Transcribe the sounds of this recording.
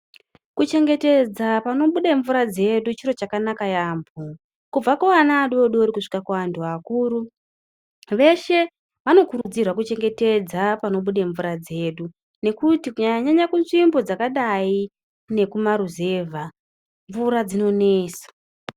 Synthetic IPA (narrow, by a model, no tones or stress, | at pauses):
kut͡ʃe̞ŋɡe̞te̞d͡zapano̞ɓuɗeɱvuɾad͡ze̞ɗut͡ʃiɾo̞t͡ʃakanakajaːmbu | kub͡vakaʋanaːɗuoɗooɾikuʂi̥kakuantʰuakuːɾu | ʋe̞ʃe̞ | ʋano̞kuɾud͡zirwakut͡ʃe̞ŋɡe̞te̞d͡zapano̞ɓuɗeɱvuɾad͡ze̞ːɗu | ne̞kutikuɲaɲaɲakunʐimbod͡zakaɗai | ne̞kumaɾuze̞ːvʱa | ɱvuɾad͡zino̞neːsḁ